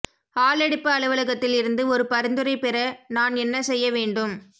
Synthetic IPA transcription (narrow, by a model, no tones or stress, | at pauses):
aːlɛɽɯpːɯɐɭɯʋɐlɐɣɐt̪ːɪlɪɾɯnd̪ɯɔɾɯpɐɾɪnd̪ɯɾɐɪpɛɾɐnaːnɛnːɐsɛjːɐʋeːɳɖɯm